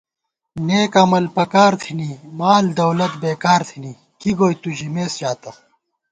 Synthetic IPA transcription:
neːkɐmɐlpɐkaːɾt̪ʰinimaːld̪ɐwlɐt̪beːkaːɾt̪ʰini | kiɡoːjt̪uʑimeːsd͡ʑaːt̪ɐ

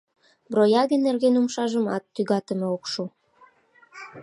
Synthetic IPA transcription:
brojɑɣənːerɣenumʃɑʒəmɑ̰t̪ːyɣɑt̪əmeokʃu

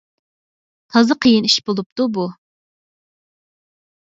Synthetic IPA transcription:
t̪ʰɑzəqʰəjɪniʃbolˠup̚t̪ubu

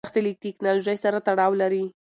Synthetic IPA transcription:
xt̪elik̚t̪ɪknɑloʒajsaɾat̪aɽɑwlaɾi

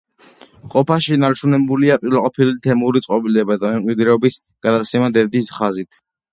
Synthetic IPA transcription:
qʼɔpʰaʃinaɾt͡ʃʰunɛbuliapʼiɾlaqʼɔpʰilit̪ʰɛmuɾit̪sʼqʼɔbilɛbad̪amɛmkʼwid̪ɾɛɔbis | ɡ̥ad̪at̪sʰɛmad̪ɛd̪isχazit̪ʰ

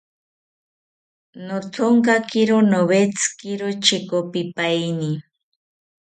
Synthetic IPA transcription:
not̪ʰoŋkakɪɾonoβet͡skɪɾot͡ʃɪkopɪpajni

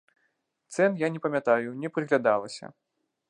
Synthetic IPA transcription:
t̪sɛnjanʲɛpɐmʲat̪ajunʲɛpɾɨɣlʲad̪alˠɐsʲɐ̰

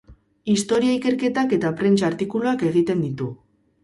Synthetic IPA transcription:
ist̪o̞ɾiaike̞ɾke̞t̪ake̞t̪apɾe̞nt͡ʃaɾt̪ikuloake̞ɣ̞it̪e̞nd̪it̪u

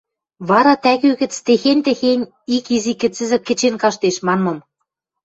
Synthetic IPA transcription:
βɑɾɑt̪æɣøɣɘ̆t͡st̪exenʲt̪ĕxenʲ | ikizikɘ̆t͡sɘ̆zɘ̆kːɘ̆t͡ɕenkɑʃt̪eʃmɑnmɤ̆m

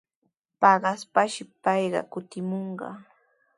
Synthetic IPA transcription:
pɑɢɑspaʃɪpɑjɢɑ̰kʊt̪ɪmoɴɢɑ̰

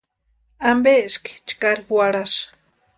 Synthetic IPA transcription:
ambeski̥t͡ʃkaɾiwaɽas

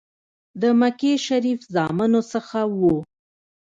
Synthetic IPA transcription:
d̪əmakeʃaɾifzɑmanosəxawu

